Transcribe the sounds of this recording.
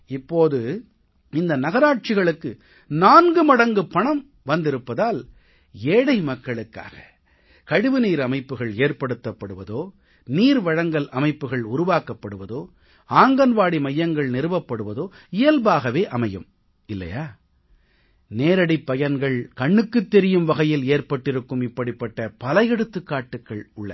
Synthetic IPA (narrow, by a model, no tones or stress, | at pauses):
ɪpːoːðɯ | ɪnd̪ɐnɐɣɐɾaːʈ̚t͡ʃɪɣɐɭɯkːɯ | naːnɡɯmɐɽɐŋɡɯpɐɳɐm | ʋɐnd̪ɪɾɯpːɐðaːl | eːɽɐɪmɐkːɐɭɯkːa̰ːɣɐ̥ | kɐɻɯʋɯniːɾɐmɐɪpːɯɣɐɭeːrpɐɽɯt̪ːɐpːɐɽɯʋɐðoː | niːɾʋɐɻɐŋɡɐlɐmɐɪpːɯɣɐɭʊɾʊʋaːkɐpːɐɽɯʋɐðoː | aːŋɡɐnʋaːɽimɐjːɐŋɡɐɭnɛɾɯʋɐpːɐɽɯʋɐðoː | ɪjɐlbaːɣɐʋeːʔɐmɐjɯm | ɪlːɐ̰jaː | neːɾɐɽipːɐjɐnɡɐɭkɐɳːɯkːɯt̪ːɛɾɪjɯmʋɐɣɐjɪleːrpɐʈːɪɾɯkːɯmɪpːɐɽɪpːɐʈːɐpɐlɐjɛɽɯt̪ːɯkːaːʈːɯkːɐɭʊɭːɐ̰